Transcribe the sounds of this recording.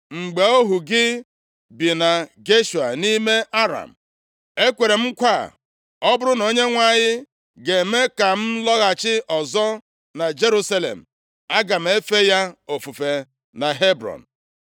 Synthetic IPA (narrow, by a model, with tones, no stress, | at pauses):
ŋ͡m̩˨ɡ͡be˨o˦ɦu˨ɡɪ˦ | bi˨na˨ɡe˦ʃu˨a̰˨ni˦me˦ʔa˦ɾa̰˨m̩˨ | e˦kʷe˨ɾe˨m̩˦kʷa̰˦˨ | ɔ˦bʊ˦ɾʊ˦no˨ɲe˦ŋʷa˦ɲɪ˦ | ɡe˨me˦ka˨m̩˦lɔ˦ɣa˨t͡ʃɪ˦ʔɔ˨zɔ˦ | na˨d͡ʒe˦ɾu˦sa˦lḛ˨m̩˨ | a˦ɡa˨m̩˨˦e˦fe˦ja˦o˨fu˨fe˨ | na˨ɦe˦bɾɔ̰˨n̩˨